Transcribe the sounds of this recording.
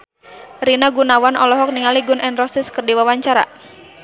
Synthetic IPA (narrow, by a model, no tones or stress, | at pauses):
rinaɡunawanɔlɔɦɔk̚niŋaliɡunʔɛnrɔsɪskərdiwawaɲt͡ʃaɾa̰